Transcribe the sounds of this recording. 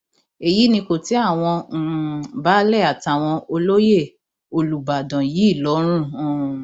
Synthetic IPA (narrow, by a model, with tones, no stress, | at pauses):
e˨ji˨˦nĩ˧ko˨ti˨˦a˦˨w̃ɔ̃˧˦˨ba˦lɛ˦˨a˨ta˨w̃ɔ̃˧o˧lo˦je˦˨ | o˧lu˨ba˨dɔ̃˨ji˨˦i˦˨lɔ˨˦ɾ̃ũ˦˨˦